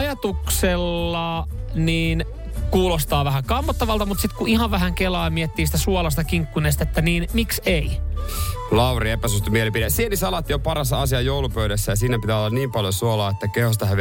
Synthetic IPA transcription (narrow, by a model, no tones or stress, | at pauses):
ɑjɑt̪ukselːɑniːn | kuːlost̪ɑːʋæɦæŋkɑmːɑt̪ːɑʋɑlt̪ɑmut̪sit̪kuʔihɑʋʋæɦæŋkelɑːmiet̪ːiːsi̥t̪æsuolɑs̬t̪ɑkiŋkːunes̬t̪et̪ːæniːnmiksei | lɑwriepæsyst̪ømielipidesienːisɑlɑt̪ːjopɑɾɑsɑsiɑjoulupøydæsːæjɑsiːnæpit̪æːolːɑniːmpɑljosuolɑːet̪ːækehos̬t̪ɑɦæʋ